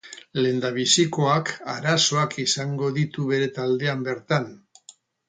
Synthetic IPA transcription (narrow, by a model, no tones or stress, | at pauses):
le̞nd̪aβ̞isiko̞akaɾaso̞akisaŋɡo̞ðit̪uβe̞ɾe̞t̪ald̪e̞ambe̞ɾt̪an